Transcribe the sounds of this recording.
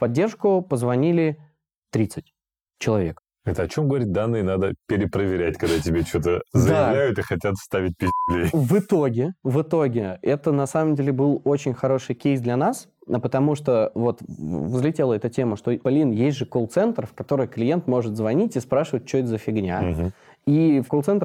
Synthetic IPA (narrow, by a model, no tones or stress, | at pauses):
fpɐdʲːe̞rʂkʊpəzvɐnʲilʲɪ | t̪ɾʲit̪sɨt̚ʲ | t͡ɕɪlˠɐvʲe̞k | ɛt̪əɐt͡ɕo̞mɡəvɐɾʲit̚d̪anːɨjənad̪əpʲɪɾʲɪpɾəvʲɪɾʲæt̚ʲkɐɡd̪atʲɪbʲet͡ɕo̞t̪əzəjɪavlʲæjʊt̪ɨxɐtʲat̪st̪avʲɪt̚ʲpʲɪslʲejvɨt̪oɡʲɪvɨt̪o̞ɡʲɪɛt̪ənɐsaməmdʲelʲɪbɨlˠo̞t͡ɕɪnʲxɐɾo̞ʂɨjkʲejsd̪lʲɐnaspət̪ɐmuʂt̪ovo̞t̪vzlʲɪtʲelˠəɛt̪ətʲe̞məʂt̪o̞pɐlʲinjesʲtʲʐɨkolˠt̪sɛnt̪rfkɐt̪o̞ɾɨjklʲɪje̞nt̪mo̞ʐɨt̪zvɐnʲitʲɪspɾaʂɨvət̚ʲt͡ɕːot̪zəfʲɪɡnʲa̰ɦ | ifkolˠt̪sɛnt̪